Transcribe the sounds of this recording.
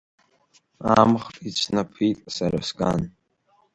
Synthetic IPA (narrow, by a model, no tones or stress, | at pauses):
amχtʼit͡ʃʷʰnapʰitʼsara̰skʼan